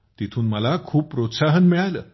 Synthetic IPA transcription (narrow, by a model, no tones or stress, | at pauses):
t̪it̪ʰuːnməlakʰuːp̚pːɾot̪saɦənmiɭajləː